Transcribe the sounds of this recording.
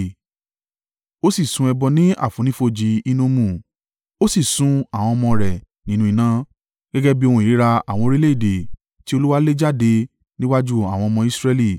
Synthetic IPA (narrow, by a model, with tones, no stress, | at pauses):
o˦si˦˨sũ˧˦ɛ˧bɔ˧nĩ˦a̰˦˨fũ˨˦nĩ˦fo˧d͡ʒi˧i˦nũ˦mũ˧˨ | o˦si˦˨sũ˨˦a˦˨w̃ɔ̃˧ɔ˧mɔ̃˧ɾɛ˨ | nĩ˨˦nũ˧i˧nã˦ | ɡ̥ɛ˦ɡɛ˦bi˦o˧hũ˧˨i˨ɾi˦ɾa˧a̰˨w̃ɔ̃˧ɾi˦le˦i˦˨de˨ | ti˦o˧lu˦wa˦le˦d͡ʒa˦˨de˧ | nĩ˦wa˦d͡ʒu˦a̰˨w̃ɔ̃˧ɔ˧mɔ̃˧i˦sɾɛ˧li˦˨